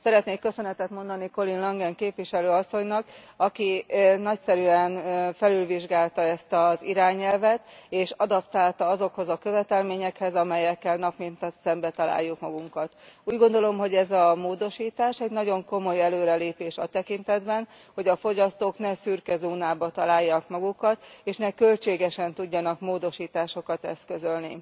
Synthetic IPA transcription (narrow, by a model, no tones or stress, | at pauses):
sɛɾɛt̪neːkːø̞sø̞nɛt̪ɛt̪mo̞nd̪ɒniko̞linlɒŋɡɛŋkeːpvʋiʃɛløːɒsːo̞ɲnɒk | ɒkinɒcsɛɾyɛnfɛlylviʒɡaːlt̪ɒɛst̪ɒziɾaːɲɛlvɛt̪eːʃɒd̪ɒpt̪aːlt̪ɒɒzo̞kho̞zɒkøvɛt̪ɛlmeːɲɛkhɛzɒmɛjɛkːɛlnɒpmint̪ɒt̪sɛmbɛt̪ɒla̰ːjːukmɒɡuŋkɒt̪uːɟɡo̞nd̪o̞lo̞mɦo̞ɟɛzɒmoːd̪o̞ʃiːt̪aːʃɛɟnɒɟo̞ŋko̞mo̞jɛløːɾɛleːpeːʃɒt̪ɛkint̪ɛd̪bɛn | ho̞ɟɒfo̞ɟɒst̪oːknɛsyrkɛzuːnaːbɒt̪ɒlaːjːɒkmɒɡukɒt̪eːʃnɛkø̞lt͡ʃeːɡɛʃɛnt̪uɟːɒnɒkmoːd̪o̞ʃiːt̪aːʃo̞kɒt̪ɛ̰st̪kø̞zø̞lni